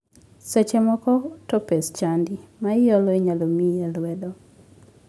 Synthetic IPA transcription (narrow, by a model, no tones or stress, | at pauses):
set͡ʃɛmɔkɔtɔpest͡ʃandimajɔlɔeɲalomijɛlwɛdɔ